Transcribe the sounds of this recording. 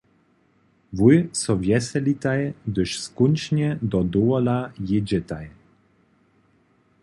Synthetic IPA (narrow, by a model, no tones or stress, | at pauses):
vujsɔvjɛsɛlit̪ajd̪ɘʃskunʲt͡ʃɲɛd̪ɔd̪uɔlajed͡ʑɛt̪aj